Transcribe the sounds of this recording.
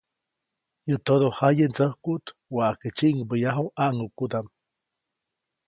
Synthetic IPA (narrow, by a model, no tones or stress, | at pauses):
jət̪od̪ohajənt͡səhkut̪waʔket͡ʃiʔŋbəjaɦuʔaʔŋukud̪am